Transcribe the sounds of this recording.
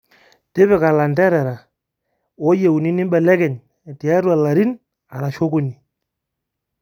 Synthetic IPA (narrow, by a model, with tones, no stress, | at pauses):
te˦βɛ˨ka˨la˨ndɛ˦ɾɛ˨ɾa˨ | o˦je˨u˨ni˦ni˦m˦ɓɛ˨lɛ˦kɛ˨n˨ | ti˨a˦ɾwa˨la˨ɾi˦n | a˨ɾa˨ʃo˦ku˦ni˨